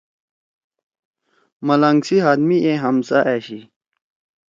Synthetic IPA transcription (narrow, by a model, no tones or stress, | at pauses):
mɐlɐŋɡsiɦaːd̪mieɦɐmsaʔeɕi